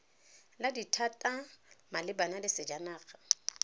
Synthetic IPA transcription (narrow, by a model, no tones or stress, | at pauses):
laditʰatʼamalɪbanalɪsɪd͡ʒanaːχʰʼa